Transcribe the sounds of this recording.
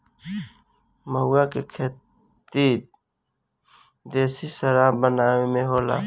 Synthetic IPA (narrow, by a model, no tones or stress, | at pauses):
məɦʊakekʰe | t̪iːt̪ | d̪eːsisəɾabənaːemẽɦoːla̰ː